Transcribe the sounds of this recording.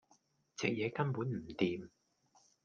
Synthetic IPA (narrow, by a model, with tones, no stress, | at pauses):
t͡sɛ̰˨k̚jɛː˨˧kɐ˥npuː˨˥nm̩˨˩t̪iː˨m